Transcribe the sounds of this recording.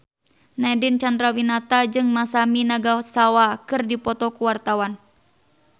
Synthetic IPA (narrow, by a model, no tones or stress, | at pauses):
nadint͡ʃandɾawinat̪ad͡ʒɨŋmasaminaɡasawakɨrdipɔt̪ɔkuwart̪awan